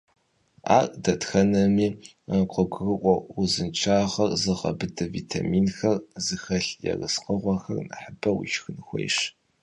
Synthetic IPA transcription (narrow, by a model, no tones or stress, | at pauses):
a̰ːrʼdɐtxɐnɐmiː | qəɡʷrɨʔʷʼɔuzɨnt͡ʃʰaːʁɐrzɨʁɐ̰bɨdɐvitʰa̰miːnxɐrzɨxɐɬjɛ̰rɨsqəʁʷɔxɐrnɨ̰ħəbɐwḭʃxɨnxʷɔ̰jʂ